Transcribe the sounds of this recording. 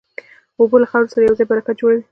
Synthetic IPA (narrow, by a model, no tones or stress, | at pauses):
obolaxawɾosaɾajawd͡zɑjbaɾakad͡ʒoɽawi